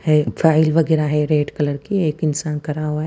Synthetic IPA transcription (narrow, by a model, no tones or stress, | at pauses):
hɛfʰaːɪlʋɐɡɛːɾaɦɛɾeːɖkɐləɾkieːkɪnsaːnkɐɾaɦuaɦɛ